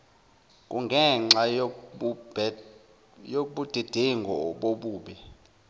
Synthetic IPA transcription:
kʼuŋɡʱɛŋ͡ǁḁ | joɓud̥ʱed̥ʱiŋɡʱɔɓoɓuːɓɛ

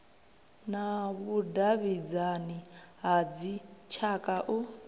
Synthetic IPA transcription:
naβudaβid͡zaniɦad͡zit͡ʃʰakʼaʔu

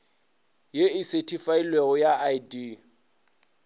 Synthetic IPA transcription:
jeɪsetʰʼifailweɣʊjaadi

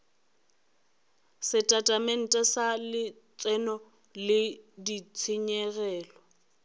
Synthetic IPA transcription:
sɪtʼatʼamɛn̩tʼɛsalɪ | t͡sʼɛnɔ | lɪdit͡sʰɪɲɛɣɛːlɔ

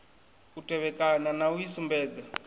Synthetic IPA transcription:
utʼɛβɛkʼananauisumbɛːd͡za

